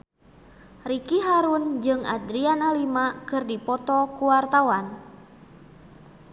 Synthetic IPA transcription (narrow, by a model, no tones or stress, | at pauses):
rikiɦaɾund͡ʒɨŋa̰d̪ɾianalimakɨrdipɔt̪ɔkuwart̪awan